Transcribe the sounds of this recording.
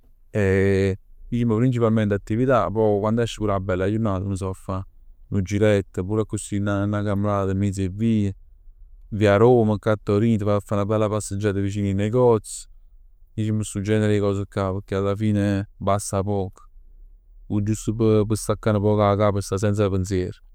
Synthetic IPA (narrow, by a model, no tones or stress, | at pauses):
e | iʃimːəpɾint͡ʃipalmɛnt̪at̪ːivit̪apɔkwand̪oɛʃːəpuɾabɛlːajunat̪əməs̬ɔfanud͡ʒiɾɛt̪ːəpuːɾakːusinanakamɾaːt̪d̪əmis̬eviːə | viaɾoməkːat̪ːoɾit̪əfafanabɛlːapasəd͡ʒad̪əviʃ̬inineɡɔs | iʃiməsud͡ʒɛneɾekɔs̬əkːapəɾkealːafinebasapɔk | ud͡ʒust̪upəp̬əsakːanəpɔkakapəsas̬ɛns̬apəns̬jɛɾ